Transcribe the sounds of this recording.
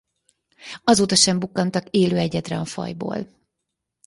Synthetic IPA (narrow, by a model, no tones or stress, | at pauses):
ɒzoːt̪ɒʃɛmbukːɒnt̪ɒkeːløːɛɟɛd̪rɛɒfɒ̰jbo̰ːl